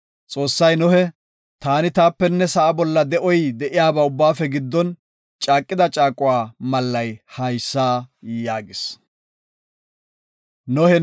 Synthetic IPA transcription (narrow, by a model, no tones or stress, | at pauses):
t͡sʼo̞ːsːɐjnɔhɛ | t̪aːnɪt̪aːpːɛnːɛsɐʔɐbɔlːɐd̪ɛʔɔjd̪ɛʔɪjaːbaʊbːaːfɛɡɪd̪ːɔn | t͡ʃʼaːkʼːɪd̪ɐt͡ʃʼaːkʼʊwaːmɐlːɐjhɐjsːaːjaːɡɪs | nɔhɛ